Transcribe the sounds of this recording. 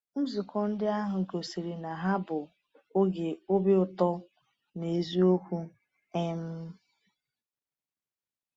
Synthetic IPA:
m̩˦zi˨kɔ˦n̩˦dɪ˦a˦ɦʊ˨ɡo˨si˨ɾe˨na˨ɦa˦bʊ˨ | ʊ˦ɡe˨o˦be˦ʊ˨tɔ˦ | ne˨zi˦o˦kʷu˦ | e˦m̩˦

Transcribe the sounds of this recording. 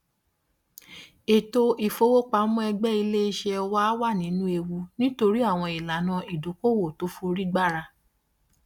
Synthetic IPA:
e˨to˧ʔi˨fo˧wo˦k͡pa˦mũ˦ɛ˧ɡ͡bɛ˦i˧le˦i˧ʃɛ˧wa˦wa˦˨nĩ˨˦nũ˦e˧wu˧nĩ˦to˧ɾi˦a˦˨w̃ɔ̃˧i˨la˨˦nã˧i˨du˨˦ko˦˨wo˨to˨˦fo˧ɾi˦ɡ͡ba˦˨ɾa˧

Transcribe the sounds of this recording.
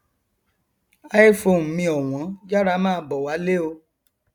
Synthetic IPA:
a˦e˦˨fo˧˨m̩˨˦mĩ˧ɔ˨w̃ɔ̃˨˦d͡ʒa˦ɾa˦mãː˦˨˧bɔ˨wa˨˦le˦o˧

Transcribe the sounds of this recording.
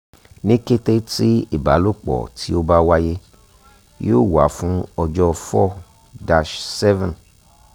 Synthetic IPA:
nĩ˦ke˦te˦ti˦i˦˨ba̰˨˦lo˦˨k͡pɔ̰˨tʰi˦o˦ba˦wa˦je˦ | jo˦˨wa̰˨˦fũ˦ɔ˧d͡ʒɔ˦˧fɔ˦˨ | da˨˧ʃsɛ˦vɛ̃˨n

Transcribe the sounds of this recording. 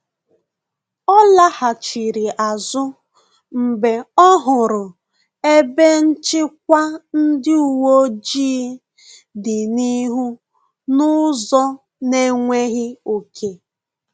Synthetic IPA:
ɔ˦la˦ha˨t͡ʃi˨ɾi˨ʔa˨zʊ˦ | m̩˨be˨ɔ˦ɦʊ˨ɾʊ˨ | e˦be˦n̩˦t͡ʃɪ˦k̚ʷa˦n̩˦dɪ˦u˨wo˦d͡ʒiː˦ | dɪ˨ni˦ɦu˦ | nʊ˦zɔ˦ | ne˦ŋʷe˦ɣɪ˦o˨kʰe˨

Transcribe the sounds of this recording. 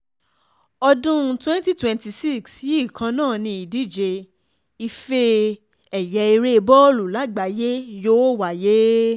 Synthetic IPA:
ɔ˧dũ˦˧twɛ̃˦n˦ti˦twɛ̃˧nti˧si˦˨ksji˦˨kʰã˧nã˦˨nĩ˧i˨di˦˨d͡ʒe˧ | i˧fe˧ | ɛ˨jɛ˨˧i˧ɾe˦˧bɔ˦o˦lu˨la˨˦ɡ͡ba˨˦je˦jo˦wa˨je˦

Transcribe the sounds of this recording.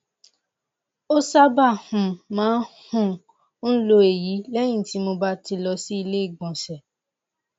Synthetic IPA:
o˦sa˦ba˦˨hũ˨mãː˨˦hũ˦˨ | n̩˦lo˧e˨ji˨˦lɛ˦j̃ĩ˦˨ti˨˦mo˧ba˦ti˧lɔ˧si˦i˧le˦i˦˨ɡ͡bɔ̃˨ʃɛ˨

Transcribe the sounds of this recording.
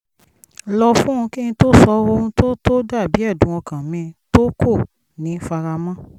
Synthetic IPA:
lɔ˧fũ˦ũ˧ki˦nĩ˧to˦sɔ˧˦o˧ũ˧to˦to˦da˦˨bi˨˦ɛ˦˨dũ˨˦ɔ̃˧kã˨mĩ˧to˦ko˦˨ | nĩ˨˦fa˧ɾa˧mã˦

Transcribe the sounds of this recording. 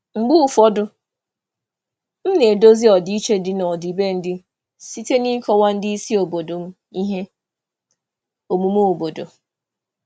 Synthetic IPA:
ŋ͡m̩˨ɡ͡bʊ˦u˦fɔ˦dʊ˦ | m̩˦ne˨do˦zi˦ɔ˨di˨˦i˦t͡ʃe˦dɪ˨nɔ˨di˨be˦n̩˦dɪ˦ | si˦te˦ni˦kɔ˦wa˦n̩˦dɪ˦i˦si˦o˨bo˨do˨m̩˦ | i˦ɦe˦ | o˨mu˨mu˦o˨bo˨do˨

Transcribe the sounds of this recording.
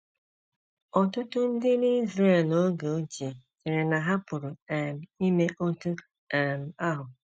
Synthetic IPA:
ɔ˨tʊ˦tʊ˦n̩˦dɪ˦ni˦i˦zɾe˦˨no˦ɡo˨o˦t͡ʃe˨t͡ʃe˨ɾe˨na˨ɦa˦pʊ˨ɾʊ˨ɛ˨m̩˨i˦me˦ʔo˦tu˦ | ɛ˨m̩˨a˦ɦʊ˨

